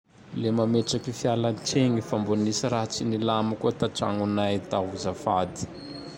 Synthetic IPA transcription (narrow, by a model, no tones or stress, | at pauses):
lemameʈ͡ʂakifjalaʈ͡ʂeŋifambonisiraɦat͡sinilamukuət̪aʈ͡ʂa̰ŋunajt̪aɦuzafad̪i̥